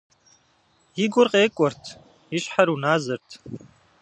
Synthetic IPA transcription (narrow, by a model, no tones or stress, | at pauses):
jiɡʷʊrqʼeːkʷʼɔrtʰ | iʃħaɾunaːzɨrtʰ